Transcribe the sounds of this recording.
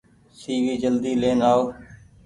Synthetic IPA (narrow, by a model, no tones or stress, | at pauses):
siːʋiːd͡ʒəld̪iːleːnaːoː